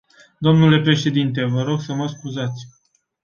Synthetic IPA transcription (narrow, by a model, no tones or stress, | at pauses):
d̪o̞mnule̞pɾe̞ʃe̞d̪int̪e̞vəɾo̞ɡsəməskuzat̪sʲ